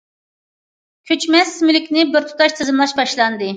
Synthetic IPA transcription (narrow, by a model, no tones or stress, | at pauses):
kʲʰyt͡ʃmɛsmylɪkʲnɪbɪɾt̪ʰu̥t̪ʰɑʃt̪ʰɨzɨmlˠɑʃbɑʃlˠɑnd̪ɨ